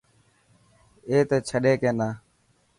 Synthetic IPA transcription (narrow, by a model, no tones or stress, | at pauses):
eːt̪eːt͡ʃʰəɗeːkẽːnaː